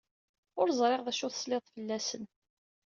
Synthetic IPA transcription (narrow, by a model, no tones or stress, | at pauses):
ʊɾzˤɾˤeʁðæʃʊθsleðˤfəlːæsən